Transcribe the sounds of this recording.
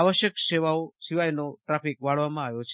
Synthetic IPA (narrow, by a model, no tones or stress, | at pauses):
aʋəʃjəkʃeʋaoʃiʋajnoʈɾafikʋaɭʋamãaʋjot͡ʃʰ